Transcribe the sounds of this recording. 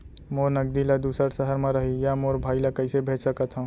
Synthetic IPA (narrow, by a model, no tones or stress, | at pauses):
moɾnəɡ̚d̪ilad̪uːsəɾsəɦəɾmẽɾəɦijamoɾbʱaːilakəɪsebʱed͡ʒsəkət̪ʰɦũ